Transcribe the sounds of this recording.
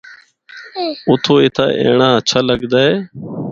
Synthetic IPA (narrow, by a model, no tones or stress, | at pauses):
ʊt̪ʰoːet̪ʰa̰ːʔḛːɳãːət͡ʃʰaːləɠd̪aːɦeː